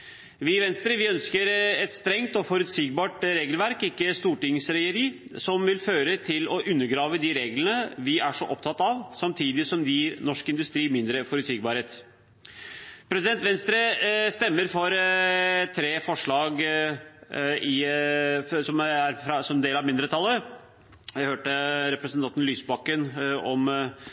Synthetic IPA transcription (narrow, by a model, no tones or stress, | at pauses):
ʋɪʋɛnst̪ɾəʋɪœnskəɾɛt̪st̪ɾɛŋt̪ɔfɔɾʉt̪siːɡ̚bɑːʈɾeːɡəlʋæɾkɪkːəst̪uːʈɪŋsɾɛəɾiːsɔmʋɪlføːɾət̪ʰɪlɔʔʉnːəɾɡɾɑːʋəd̪iɾeːɡlənəʋɪʔæʂɔʔɔpt̪ʰɑt̪ːɑʋsɑmt̪ʰiːd̪ɪsɔmd̪ɪnɔʂkɪnd̪ʉst̪ɾiːmɪnd̪ɾəfɔɾʉt̪siɡ̚bɑːɾheːt̪ | pʰɾɛsɪd̪ɛnt̪ʋɛnst̪ɾəst̪ɛmːəɾfɔɾ | t̪ʰɾeːfɔʂɭɑːɡ | ɪ | sɔmæɾfɾɑsɔmɛneːlɑʋmɪnd̪ɾət̪ʰɑlːə | jæhøːʈəɾɛpɾəsənt̪ʰɑnt̪n̩lyːsbɑkːənɔm